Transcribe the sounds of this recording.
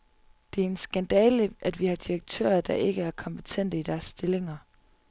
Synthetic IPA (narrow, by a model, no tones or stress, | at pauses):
d̥e̝æɐe̝nsɡ̥ænd̥ɛːləʔæd̥ʋihɑ̈d̥iʁɐɡ̥̚t͡sʰø̰ːɐd̥ɑ̈ʔe̝ɡ̥əæɐkʰɒ̽mb̥ə̥t͡sʰen̰d̥əid̥æɐsːd̥e̝le̝ŋɐ